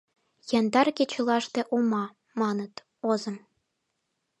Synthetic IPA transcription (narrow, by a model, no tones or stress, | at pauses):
jɑnd̪ɑrkʲet͡ɕɤ̆lɑʃt̪ĕʔomɑ | mɑnɤ̆t̪ | ozɤ̆m